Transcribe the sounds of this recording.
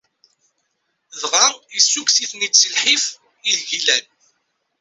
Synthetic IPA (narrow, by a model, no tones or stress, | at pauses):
ðʁaisːuksiθnisəlħif | iðʝilæn